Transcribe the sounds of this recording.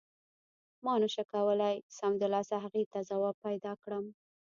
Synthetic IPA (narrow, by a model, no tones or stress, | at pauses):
mɑnəʃakawəlajsamd̪əlɑsaɦaɣet̪azawɑb̚pajd̪ɑkɽəm